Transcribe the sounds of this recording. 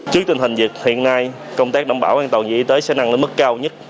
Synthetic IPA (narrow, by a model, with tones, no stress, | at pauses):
t͡ɕɨ˦˥k̚t̪ï˧ŋ̟hï˨˩ŋ̟zi˨˩ət̚hḭ˧˨ənːa˧j | kə˧wŋ͡mt̪aː˦˥k̚ɗa̰˧˩wŋ͡mɓaː˧˩wʔaː˧ŋt̪ə˨˩wŋḭ˧˩i˧˦t̪əː˨˦jsɛ̰˧˥na˧ŋle˧nmɨ˦˥kːaː˧wɲə˦˥t̚